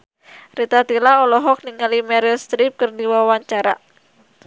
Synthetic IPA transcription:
rit̪at̪ilaɔlɔɦɔk̚niŋalimɛɾɛlst̪ɾip̚kərdiwawaɲt͡ʃaɾa̰

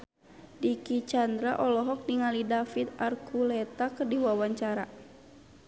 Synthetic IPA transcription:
dikit͡ʃand̪ɾaʔɔlɔɦɔk̚niŋalidafit̪̚arkʰulɛt̪akərdiwawaɲt͡ʃaɾa

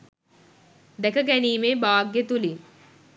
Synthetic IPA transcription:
d̪ɛkəɡæniːmebaːɡjet̪uli

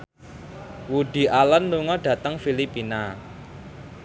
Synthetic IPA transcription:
wuɖ̪̥i̤ʔalənluŋɔɖ̥ä̤t̪əŋfilipina

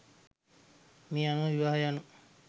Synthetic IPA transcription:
miːanuʋəʋiʋaːɦɐjanu

